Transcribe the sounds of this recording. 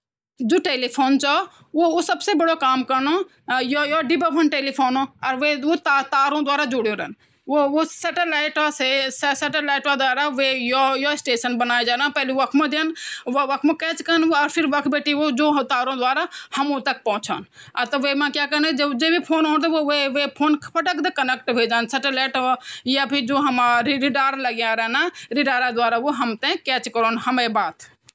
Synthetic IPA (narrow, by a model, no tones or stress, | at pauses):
d͡ʒoːʈeːliːpʰoːnt͡ʃaː | ʋoːoːsəbseːbəɽoːkaːmkəɾnoː | jojoːɖɪbəʋʱənʈeːliːpʰoːnõːəɾʋeːoːt̪at̪aːɾõːd̪waːɾaːd͡ʒoɽjoːɾə̰n | ʋoːʋoːsɛʈəlaːɪʈaːseːsseʈəlaːɪʈʋaːd̪ʊaːɾaːʋeːjojoːɪsʈeːʃənbənaːed͡ʒaːnãːpɛːliːʋɐkʰmãːd̪ɪənʋʋɐkʰmãkɛːt͡ʃkɐɾənɐɾpʰɪɾʋɐkʰbeːʈiʋod͡ʒoːt̪aːɾõd̪waːɾahɐmot̪ɐk̚pɐ̃ʊ̃t͡ʃʰa̰ːn | ɐt̪ɐʋeːmãːkjaːkənd͡ʒed͡ʒeːbʱipʰoːnɦoːnt̪ʰoʋeʋepʰoːnʰpʰɐʈəkd̪ɐkɐnɛkʈʋʱeːd͡ʒaːnsɛʈəlɛːʈjabid͡ʒoːɦɐmaɾɾɪɖaːɾlɐɡjãɾɛnaːɾɪɖaːɾad̪waːɾaʋoɦɐmt̪ɛ̃kɛːt͡ʃkəɾoːnhɐmebaːt̪ʰ